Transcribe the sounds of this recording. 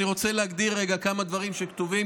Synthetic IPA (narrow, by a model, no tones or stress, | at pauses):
iʁo̞t͡selehaɡd̪iʁːeɡakamad̪vaʁimʃekt̪uvi